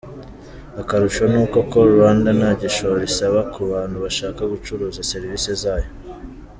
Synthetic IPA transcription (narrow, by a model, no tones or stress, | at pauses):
akaɾuʃonuːko̞ko̞ɾuɾaːndanaːɟeʃoɾisaβakuβaːnhuβaʃaːkaɡut͡ʃuɾuːzaseɾiviːse̞zaːjo̞